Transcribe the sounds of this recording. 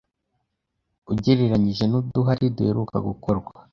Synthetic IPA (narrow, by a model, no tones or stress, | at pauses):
uɟeɾeɾaɲiʒe̞nuduɦaɾiduheɾuka̰ɡukoɾɡwa